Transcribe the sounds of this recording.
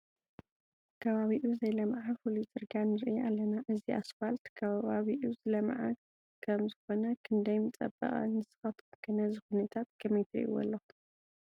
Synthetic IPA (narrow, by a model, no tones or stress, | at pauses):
kʰɐβaβiʔuzɐjlɐmʕafulit͡sʼɨɾɡanɨɾɨʔiʔalːɐnaʔɨziʔasfalt̪kʰɐβaβaβiʔuzɨlɐmʕa | kʰɐmzɨxo̞nɐkʰɨnd̪ɐjmɨt͡sʼɐ̰bɐ̰χʼɐ̰nɨsɨ̥xɐt̪ʰot̪kʰɨnɐzɨxunɐt̪ʰat̪̚kʰɐmit̪ʰɾḭʔṵwɐ̰lːoxu̥